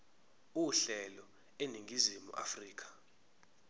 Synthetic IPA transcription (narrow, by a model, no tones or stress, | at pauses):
uɬɛlɔ | eniŋɡʱizimṵʔa̰friːk̬ʰḁ